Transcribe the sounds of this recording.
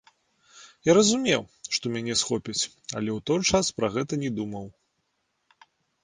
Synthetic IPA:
jaɾɐzumʲɛwʂt̪ɔmʲanʲɛsxɔpʲɐt͡sʲ | ɐ̰lʲɛwt̪ɔjt͡ʂaspɾɐɣɛt̪ɐnʲɛd̪umɐw

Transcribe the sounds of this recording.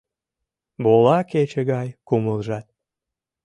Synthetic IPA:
bolɑket͡ɕĕɣɑjkuməlʒɑt̪̚

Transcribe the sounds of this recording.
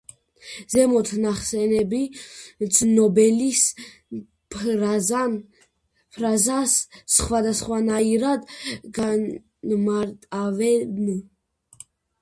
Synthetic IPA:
zɛmɔt̪ʰnaχsɛnɛbid̪znɔbɛlis | p | pʰɾazasχwad̪asχwanaiɾad̪ɡa | maɾt̪ʼavɛn

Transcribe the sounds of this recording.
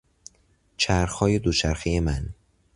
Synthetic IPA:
t͡ʃʰæɾxhɒːje̞d̪ot͡ʃʰæɾxijemæn

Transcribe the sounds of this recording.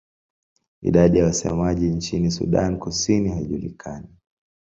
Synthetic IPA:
ḭɗaɗijawasɛ̰maʄint͡ʃinisṵɗa̰nkusinihaiʄulḭkʰani

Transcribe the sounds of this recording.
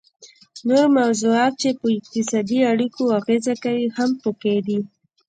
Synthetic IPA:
noɾmawzuɑt̪̚t͡ʃepəɪk̚t̪ɪsɑd̪iaɽikoaɣezakawihampəked̪i

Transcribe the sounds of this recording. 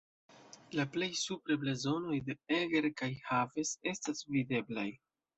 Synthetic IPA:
laple̞jsupɾeblezo̞no̞jde̞eɡeɾkajhave̞se̞stasvide̞blaj

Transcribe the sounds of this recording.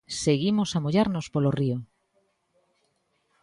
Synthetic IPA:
seɣimosamoʎaɾnospolorio

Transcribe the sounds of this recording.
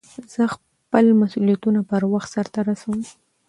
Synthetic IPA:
z̥əx | pəlmasulijat̪unapəɾwaxt̪saɾt̪aɾasawum

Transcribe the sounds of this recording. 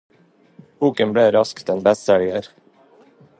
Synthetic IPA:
b̥uːkənbɽeːɾɑskt̪ɛnbɛst̪ɛljəɾ

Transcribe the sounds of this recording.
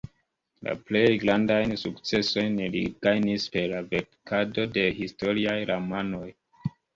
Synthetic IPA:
la̰ple̞jɡɾandajnsukt͡se̞so̞jnlḭɡajnispe̞ɾlave̞ɾkʰado̞de̞histo̞ɾiajɾamano̞j

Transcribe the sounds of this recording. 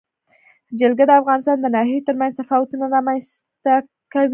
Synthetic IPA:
d͡ʒalɡad̪əafɣɑnɪst̪ɑnd̪ənɑhjajot̪əɾmanzt̪afɑwat̪unaɾamans | t̪a | kawi

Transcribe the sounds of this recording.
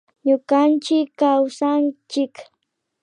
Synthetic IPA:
ɲʊkant͡ʃɪkːawsant͡ʃɪk

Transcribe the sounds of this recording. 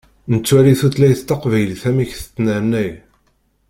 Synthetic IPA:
nət͡sːwæɾiθuθlæjθt̪ːɑqvæjlθæmiçθt̪ːnəɾnæj

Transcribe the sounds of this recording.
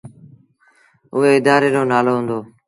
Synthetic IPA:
ʊɦeːɪd̪aːɾeːɾoːnaːloːɦʊ̃nd̪oː

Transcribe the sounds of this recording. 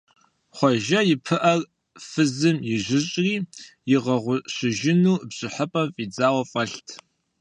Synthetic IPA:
χʷɔʒɐjɪpʰɨʔɐr | fɨzɨmjɪʒɪɕʼriːjɪʁɐʁʷʊɕɪʒɪnuːbʑʼɪħəpʼɐmfʼid͡zaːwɐfʼɐɬtʰ

